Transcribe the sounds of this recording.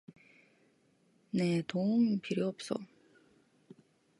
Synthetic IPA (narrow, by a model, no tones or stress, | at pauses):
net̪oɯŋpiɾjiʌp̚s͈ʌ̰